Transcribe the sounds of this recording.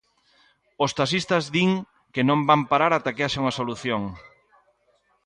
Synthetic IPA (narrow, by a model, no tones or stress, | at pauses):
ost̪as̬ist̪ɐzðiŋ | kɪnõmbampaɾaɾat̪akeaʃauɐsoluθjoŋ